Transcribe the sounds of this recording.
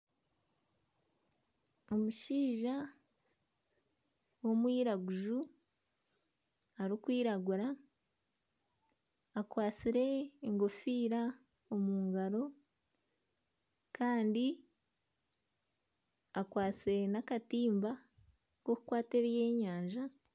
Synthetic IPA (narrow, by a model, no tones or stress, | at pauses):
o̞muʃiːʒa | wo̞mwiːɾaɡuʒu | aɾikwiːɾaɡuɾa | kwaːt͡siɾe̞ːŋɡo̞fiːɾa | omuːŋɡaɾo̞ | kʰaːndi | akwaːt͡siɾenakatiːmba | koku̥kwaːteɾje̞ːɲaːɲʒa